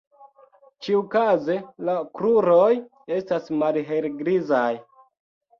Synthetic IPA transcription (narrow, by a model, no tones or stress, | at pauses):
t͡ʃiukaze̞lakɾuɾoj | e̞stasmalɦelɡɾizaj